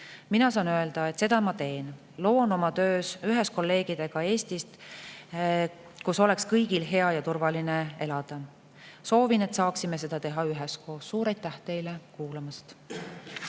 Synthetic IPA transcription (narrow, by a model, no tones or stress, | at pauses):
minɑsɑːnøe̞ld̪̥ɑe̞t̪ːˑse̞d̪̥ɑmɑt̪e̞ːn | lo̞ːno̞mɑt̪ø̞ːsyɦesko̞lːe̞ːɡ̥id̪̥e̞ɡ̥ɑe̞ːst̪ist̪ | kuso̞le̞kskɤjɡ̥ilɦe̞ɑjɑt̪urvɑlinee̞lɑd̪̥ɑ | so̞ːvine̞t̪sɑːksime̞s̬e̞d̪̥ɑt̪e̞ɦɑyɦesko̞ːsːuːɾejt̪ːæht̪e̞jlekuːlɑmɑst̪